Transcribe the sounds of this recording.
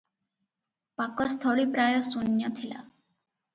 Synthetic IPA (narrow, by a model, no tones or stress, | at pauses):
pakɔst̪ʰɔɭipɾajɔsunjɔt̪ʰila̰